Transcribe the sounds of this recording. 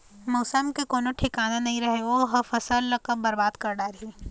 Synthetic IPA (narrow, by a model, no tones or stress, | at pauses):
mɐːsəmkekoːnoʈʰɪkaːnanɐɦĩɾɐɦeʋoːɦɐfɐsəlːɐkəbɐɾbaːd̪kɐɾɖaːɾɦiː